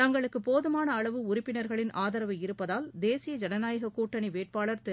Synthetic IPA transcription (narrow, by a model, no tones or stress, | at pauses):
t̪ɐŋɡɐɭɯkːɯpoːðɯmaːnɐːɭɐʋɯʊɾɪpːɪnɐɾɣɐɭɪnʔaːðɐɾɐʋɐɪɾɯpːɐðaːld̪eːsɪjɐd͡ʒɐnɐnaːjɐɣɐkːuːʈːɐniʋeːʈ̚paːɭɐɾt̪ɛ